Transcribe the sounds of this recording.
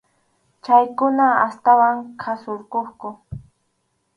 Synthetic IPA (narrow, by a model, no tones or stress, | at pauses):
t͡ʃajkʊnaast̪awaŋkʰasʊɾkoχkʊ